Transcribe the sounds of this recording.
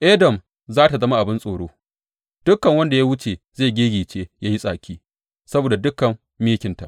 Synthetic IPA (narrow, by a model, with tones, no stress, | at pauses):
ʔeː˦dɐ˨m | zaː˦ta˨zɐ˦ma˦ʔa˨bɪ˦nsʼoː˨ɽoː˦ | d̥ʊ˦kːɐ˨ŋwɐ˦nda˨ja˦wʊ˦t͡ʃe˨zeː˦˨ɡʲeː˦ɡʲiː˨t͡ʃeː˦ja˦ji˦sʼaː˨kʲʰiː˦ | sɐ˦boː˨da˨dʊ˦kːɐ˨mːiː˦kʲɪ˨nta˨ʔ